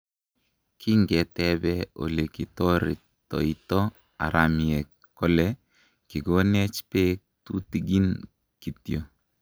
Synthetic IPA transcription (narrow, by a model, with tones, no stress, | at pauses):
kʰi˦ŋɡɛ˨t̪ɛ˦bɛ˦o̰˨le˨ki˨tɔ˦ɾḭ˨ | tɔ̰˨i˦t̪ɔ˦ | a̰˨ɾa˨mi˨ɛ˨ | kɔ˦lɛ˦ | ki˨ɡo˦nɛ˦t͡ʃpe˦ | tu˦ti˨ɡi˦n | ki˨tjo˨